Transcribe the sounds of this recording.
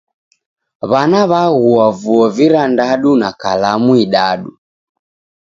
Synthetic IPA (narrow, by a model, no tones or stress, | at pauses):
βanaβaɣuavuɔviɾandaɗunakalamuiɗaɗu